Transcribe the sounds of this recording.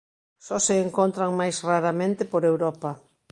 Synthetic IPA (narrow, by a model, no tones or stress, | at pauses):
sɔseːŋkont̪ɾaŋmajsraɾamẽnt̪ɪpoɾewɾɔpɐ